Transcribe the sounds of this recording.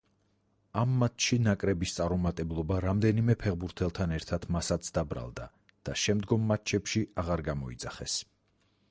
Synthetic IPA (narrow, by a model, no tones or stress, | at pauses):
amːat̪ʃinakʼɾɛbist̪sʼaɾɔmat̪ʼɛblˠɔbaɾamd̪ɛnimɛpʰɛʁbuɾt̪ʰɛlˠt̪ʰanɛɾt̪ʰat̪ʰmasat̪sʰd̪abɾa̰lˠd̪a̰ | d̪̥aʃɛmd̪ɡɔmːat̪̚t͡ʃʰɛpʃiaʁaɾɡamɔḭd̪zaχɛs